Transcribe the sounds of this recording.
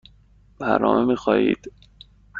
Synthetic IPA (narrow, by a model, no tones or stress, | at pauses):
bæɾnɒ̰ːmʔemiːxɒːjḭːd̪̥